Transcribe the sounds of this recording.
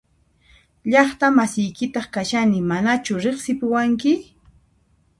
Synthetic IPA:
ʎɑχt̪amasɪjkɪt̪ɑχkaʃanɪmanat͡ʃʊɾeχsɪpʊwaŋkɪ

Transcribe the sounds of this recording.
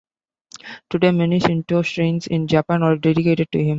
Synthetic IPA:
ʈuɖeːmɛnɪʃɪ̃nʈoːsʈɾẽːnsɪ̃nd͡ʒapãːnɔːɾɖeɖɪkeːʈeɖ̚ʈuɦɪ̃m

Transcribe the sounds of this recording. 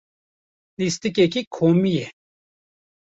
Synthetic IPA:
list̪ikekikʰoːmijɛ

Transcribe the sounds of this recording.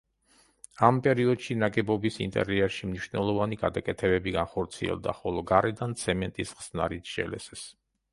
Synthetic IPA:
ampʼɛɾiɔd̪ʃinaɡɛbɔbisḭnt̪ʼɛ̰ɾiɛɾʃimniʃvnɛlˠɔvaniɡad̪akʼɛt̪ʰɛbɛbiɡanχɔɾt̪sʰiɛ̰lˠd̪a̰χɔlˠɔɡaɾɛd̪ant̪sʰɛmɛnt̪ʼisʁz̥na̰ɾit̪ʰʃɛ̰lɛ̰sɛs

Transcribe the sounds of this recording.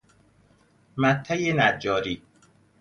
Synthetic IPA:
mæt̪ʰːæjenæd͡ʒːɒːɾiː

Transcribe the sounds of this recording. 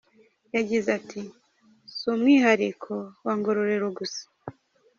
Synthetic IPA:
jaɟizatʰi | somŋiɦaɾikʰowaŋɡoɾoɾe̞ɾoɡusḁ

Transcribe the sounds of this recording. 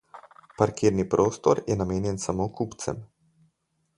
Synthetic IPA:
paɾkiːɾnipɾʔoːst̪ɔɾjɛnameːnjɛnsamoːkupt̪sɛ̰m

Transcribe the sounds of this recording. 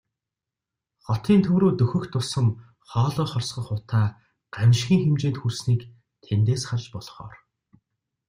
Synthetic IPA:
χɔt̪iːnt̪ʰɵwɾoːt̪ɵxɵ̆kt̪ʰːʊsə̆m | χɔːɮɔːχɔrsɢɞ̆χʊt̪aː | ɢamʲʃxʲiːŋxemt͡ɕeːnt̪xursniːk | t̪ʰent̪eːsχaɮpɔɮχɔ̰ːr

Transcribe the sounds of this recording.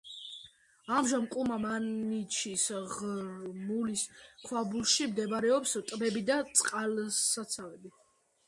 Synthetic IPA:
amʒamkʼumamanit͡ʃʰisʁmuliskʰwabulˠʃimd̪ɛbɾɛɔpst̪ʼbɛbid̪at̪sʼqʼalsat̪sʰavɛbi

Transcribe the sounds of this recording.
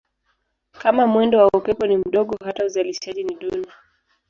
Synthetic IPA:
kamamwɛndɔwaupɛpɔnim̩ɗɔɠɔɦatauzaliʃaʄiniɗuna

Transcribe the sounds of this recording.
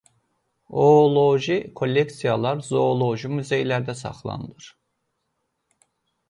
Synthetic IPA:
oːlˠoʒikʰo̞lʲːeksijalˠaɾzoːlˠo̞ʒimyze̞jlʲæɾd̪ɛsa̰χlˠa̰nɯlˠɯɾ̥

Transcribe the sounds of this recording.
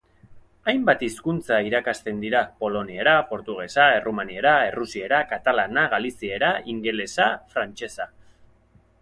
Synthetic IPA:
ajmbat̪iskunt͡saiɾakast̪e̞nd̪iɾapo̞lo̞nieɾapo̞ɾt̪uɣ̞e̞sae̞rumanie̞ɾae̞rusie̞ɾakat̪alanaɣalisie̞ɾaiŋɡe̞le̞safɾant͡ʃe̞sa

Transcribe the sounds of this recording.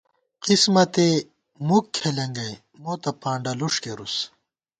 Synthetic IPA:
qismɐt̪e | mukʰːelɐŋɡɐj | moːt̪ɐpãːɳɖɐluʂkeɾus

